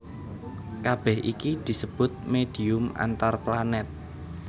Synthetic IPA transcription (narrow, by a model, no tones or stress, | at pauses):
kab̥ɛhʔikid̪̥i̤səb̥ʊt̪̚med̥i̤ʊma̰nt̪arplanɛt̪̚